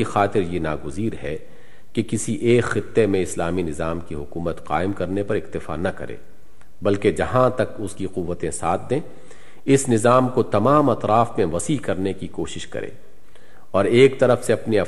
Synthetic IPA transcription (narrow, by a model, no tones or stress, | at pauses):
ixaːt̪ɪɾjena̰ːɡʊziːɾɦɛ | kekɪsiʔeːkxɪt̪ːemẽɪslaːminɪzaːmkiɦʊkuːmət̪qa̰ːɪmkɐɾnepɐɾɪqt̪ɪfa̰nɐkɐ̰ɾḛː | bɐlked͡ʒɐɦãt̪ɐkʊskiqʊʋːət̪ẽsaːt̪̚ʰd̪ẽː | ɪsnɪzaːmkot̪ɐmaːmɐt̪ɾaːfmẽʋɐsiːkɐɾnekikoːʃɪʃkɐ̰ɾʔḛ̃ː | ɔːɾeːkt̪ɐɾəfseɐpniɐ